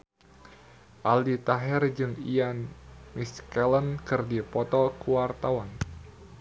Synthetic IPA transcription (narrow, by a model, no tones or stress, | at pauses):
ʔaldit̪aɦɛrd͡ʒɨŋianmiskɛlənkɨrdipɔt̪ɔkuwart̪awan